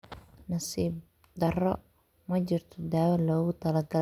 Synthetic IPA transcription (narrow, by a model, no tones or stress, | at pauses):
nɐsiːb | d̪ɐɾɔ | mɐt͡ʃɪrt̪ʰɔd̪aːwɐlɔːɣʊt̪ʰɐlaɡɐ